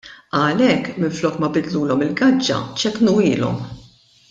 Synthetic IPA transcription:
ɐlɛkːmɪnflɔːkmɐbɪd̪luːlɔmɪlɡɐd͡ʒːɐ̰t͡ʃɛknuːɪːlɔ̰m

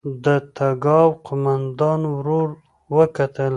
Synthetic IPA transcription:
d̪ət̪aɡɑwqʊmand̪ɑnwɾoɾ | wəkat̪əl

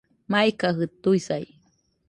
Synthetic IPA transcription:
majkaɦɨt̪ːujsaj

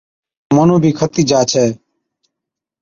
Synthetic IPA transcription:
mənũːbʱiːkʰət̪iːd͡ʒaːt͡ʃʰɛː

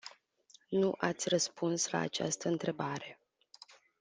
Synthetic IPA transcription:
nuʔat̪sʲrəspunsla̰ːt͡ʃa̰st̪əɨnt̪ɾe̞baɾe̞

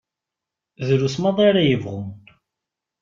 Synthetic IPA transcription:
ðɾusmɑðˤɑɾajəvʁʊm

